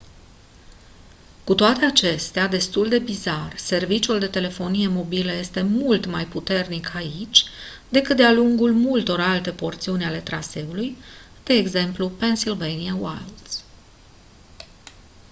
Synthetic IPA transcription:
kut̪oat̪e̞at͡ʃe̞st̪ead̪e̞st̪uld̪e̞bizarse̞rvit͡ʃuld̪e̞t̪e̞le̞fo̞nije̞mo̞biləje̞st̪e̞mult̪majput̪e̞rnikʰait͡ʃʲ | d̪̥e̞kɨt̪̚d̪ealuŋɡulmult̪o̞ɾalt̪e̞po̞rt̪siunʲale̞t̪ɾase̞uluj | d̪̥e̞ːɡze̞mplupe̞nsilvejniawa̰ld̪s

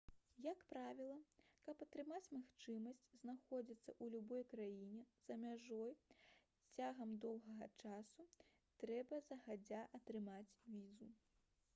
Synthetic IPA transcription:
jɐkpɾavʲilˠɐkɐpɐt̪ɾɨmat͡sʲmaxt͡ʂɨmɐsʲt͡sʲznaxɔd͡zʲit̪sːɐ̰ʔulʲubɔjkɾajinʲɛz̥ɐmʲaʐɔj | t͡sʲaɣɐmd̪ɔwɣɐɣɐt͡ʂasu | t̪ɾɛbɐzɐɣad͡zʲaʔɐt̪ɾɨmat͡sʲvʲizu

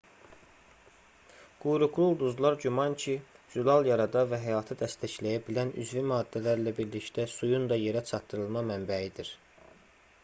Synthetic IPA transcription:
ɡ̥ujɾuklˠulˠd̪uzlˠɑɾɟymɑncʰid͡ʒulˠɑlˠjɑɾɑd̪ɑvæɦæjɑːt̪ʰɯd̪æst̪ʰæçlæjæbilæny̰zvimɑːd̪ːælæɾlæbiɾlict̪æsujund̪ɑje̞ɾæt͡ʃʰɑt̪ːɯɾɯlˠmɑmæmbæid̪iɾ

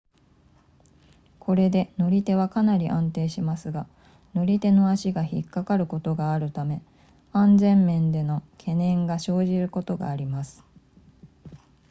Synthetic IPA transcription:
kʰo̞ɾe̞d̪e̞no̞ɾʲit̪e̞β̞akanaɾʲiʔãnt̪e̞ːɕimasɨɡa | no̞ɾʲit̪e̞no̞aɕiɡaçikːakaɾɯ̟ko̞t̪o̞ɡaːɾɯ̟t̪ame̞ | ãnd͡zẽ̞mːẽ̞nd̪e̞no̞kʰe̞nẽ̞ŋɡaɕo̞ːʑiɾɯ̟ko̞t̪o̞ɡa̰ːɾʲimasɨ̥

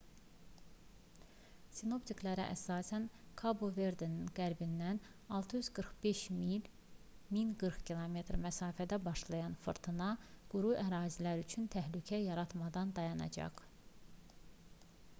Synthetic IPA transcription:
sino̞pt̪ʰiklæɾæ̰ʔæsɑːsænkʰaboveɾd̪eninɡ̥æɾbind̪æn | ɑlˠt̪ʰɯjyz̥ɡɯɾχbe̞ʃmil | minɡɯɾxcʰilˠome̞t̪ɾmæsɑːfæd̪æbɑʃlˠɑjɑnfɯ̰ɾt̪ʰɯnɑɡ̥uɾuʔæɾɑːzilæɾyt͡ʃʰynt̪ʰæhlycʰæjɑɾɑt̪mɑd̪ɑnd̪ɑjɑnɑ̰d͡ʒɑ̰χ

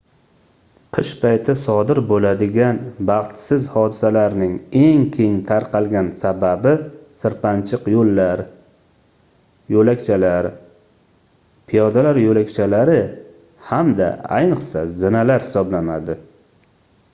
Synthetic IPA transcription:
qʰɨʃpʰajt̪ʰɪsɒd̪ɪɾbolad̪ɪɡʲanbɑχt̪sɪzhɒd̪ɪsalaɾnɪŋe̞ŋkʲʰe̞ŋt̪ʰaɾqɑlˠɡʲansababɪsɪɾpant͡ʃʰɪqjolːaɾ | jolakʲt͡ʃʰalaɾ | pʰɪjɒd̪alaɾjolakʲt͡ʃʰalaɾɪ | hamd̪a̰a̰jnɨqsa̰zɪnalaɾhɪ̥sɒblanad̪ɪ

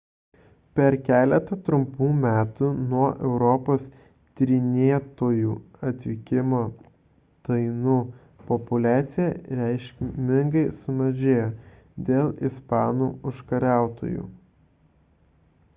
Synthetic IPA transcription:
pʲɛɾkʲæːlʲɛt̪ɐt̪ɾʊmpuːmʲæːt̪unuɔʔɛʊɾɔpoːs | t̪ʲɾʲɪnʲeːɛt̪oːjuːɐt̪ʲʋʲɪkʲɪmoː | t̪ɐɪnuː | pɔpʊlʲæːt̪sʲɪjɛɾʲæɪʃʲkʲmʲɪŋɡɐɪsʊmɐʒʲeːjoː | d̪ʲeːlˠɪspɑːnuːʊʃkɐɾʲæˑʊt̪o̰ːjṵː

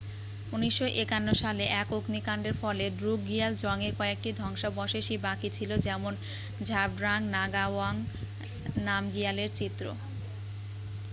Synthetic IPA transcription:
uniʃːoʔekanːoʃaleʔɛkoknikaɳɖeɾfɔleɖɾuɡiald͡ʑɔŋeɾkɔek̚ʈid̪ʱɔŋʃabɔʃeʃibakit͡ɕʰilod͡ʑɛmon | d͡ʑʱab̚ɖɾaŋnaɡawaŋ | namɡialeɾt͡ɕit̪ːɾo̰

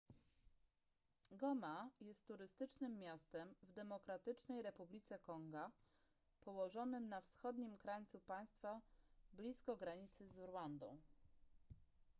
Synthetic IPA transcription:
ɡɔmajɛst̪ːuɾɘst̪ɘt͡ʂnɘmːʲjast̪ɛmvd̪ɛmɔkɾat̪ɘt͡ʂnɛjɾɛpublʲit̪sɛkɔŋɡa | pɔwɔʐɔnɘmnafsxɔd̪ɲimkɾajt̪supaj̃st̪fablʲiskɔɡɾaɲit̪sɘzuɾwand̪ɔ̃w̃

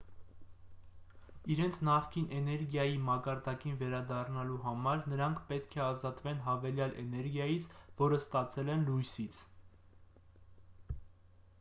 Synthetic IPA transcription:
iɾɛnt͡sʰnɑχkinʔɛnɛɾɡjɑjimɑkɑɾd̪ɑkinvɛɾɑd̪ɑrnɑluɦɑmɑɾnəɾɑŋkʰpɛt̪kʰɛɑzɑt̪vɛnɦɑvɛljɑlʔɛ̰nɛɾɡjɑjit͡sʰvɔɾəst̪ɑt͡sʰɛlɛnlujsit͡sʰ

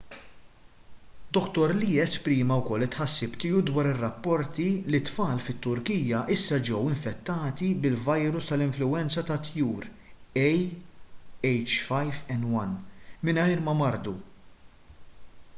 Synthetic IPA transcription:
d̪ɔkt̪ɔɾliːɛspɾiːmɐwkɔlːɪt̪ħɐsːɪpt̪ɪːud̪wɐːɾɪrːɐpːɔɾt̪ilit̪fɐːlfɪt̪ːʊɾkiːjjɐʔɪsːɐd͡ʒɛwɪɱfɛt̪ːɐːt̪ibɪlvɐjɾʊst̪ɐlɪɱflʊwɛnt͡sɐt̪ɐt̪juːɾ | ɛj | ɛjt͡ʃfɐjvɛnwɐnmɪnɐjɾmɐmɐɾd̪u

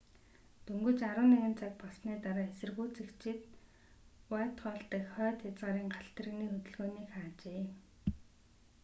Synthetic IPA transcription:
t̪ʰɵŋɡɵ̆t͡ɕaɾə̆ːnæɣʲɪ̆nt͡sʰak̚pɔɮsniːt̪aɾaːesɘ̆rɣuːt͡sikt͡ɕʰɪ̆t̪ | wæːt̪χɔːɮt̪ə̆kχœːt̪jat͡sʁaːɾiːŋɢaɬt̪rɘ̆ɣniːxɵt̪ɵ̆ɮɣoːniːkχaːt͡ɕeː

